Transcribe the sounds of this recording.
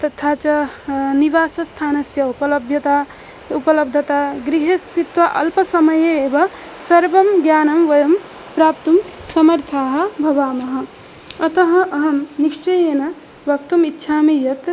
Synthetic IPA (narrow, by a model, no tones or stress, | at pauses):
t̪ɐt̪ʰaːt͡ʃaniʋaːsɐst̪ʰaːnɐsjɐupɐlɐbʱjɐt̪a | upɐlɐb̚d̪ʱɐt̪aɡɾiɦest̪it̪ʋɐʔɐlpɐsɐmɐjeebɐ | sɐɾbɐmɡjaːnɐmʋɐjɐm | pɾaːp̚t̪umsɐmɐɾt̪ʰaːɦɐ̆bʱɐbaːmɐɦɐ̃̆ | ɐt̪ɐɦɐ̃ʔɐɦɐmniʃt͡ʃɐjeːnɐ | bɐkt̪umitːʃʰamejɐt̪